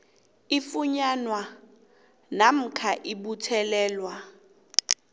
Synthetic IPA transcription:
ifuɲanwa | nam̩kʰaʔiɓutʰɛlɛːlwa

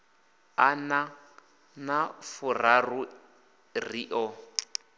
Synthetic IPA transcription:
ana | nafʊraru | riʔɔ

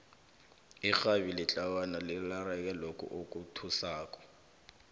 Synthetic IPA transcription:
ixaβilɪt͡ɬʼawanalɪlarɛk̬ʼɛlokʼṵʔokʼutʰusaːk̬ʼɔ̥

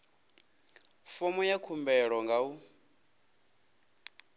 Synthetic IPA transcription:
fɔmɔjakʰumbɛɺɔŋɡau

